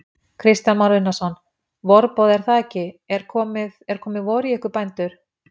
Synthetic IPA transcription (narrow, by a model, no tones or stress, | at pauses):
kʰɾɪst̪janmaɾɪnːasɔnː | vɔɾpɔːðɛɾ̥θaɛcːɪɛɾ̥kʰɔːmɪðɛɾ̥kʰɔːmɪðvɔːɾɪɛhkʏɾpajnt̪ʏɾ̥